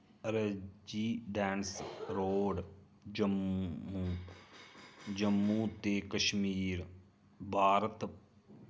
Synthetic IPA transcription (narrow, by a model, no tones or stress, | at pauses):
ɾəd͡ʒiːɖɛːnsɾoːɖ | d͡ʒəmu | d͡ʒəmːuːt̪eːkəʃmiːɾ | bʱaːɾət̪